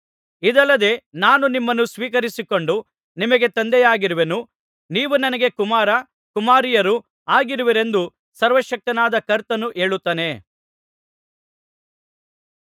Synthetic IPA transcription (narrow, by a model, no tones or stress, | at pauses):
id̪ɐlːɐd̪e̞naːnunimːɐnːusʋiːk̬ɐɾisiko̞ɳɖu | nimɐɡe̞t̪ɐnd̪ɛjaːɡiɾuʋe̞nu | niːʋunɐnɐɡe̞kumaːɾɐ | kumaːɾijɐɾu | aːɡiɾuʋiɾe̞nd̪u | sɐɾʋɐʃɐk̚t̪ɐnaːd̪ɐkɐɾt̪ɐnːuʔe̞ːɭut̪ːɐne̞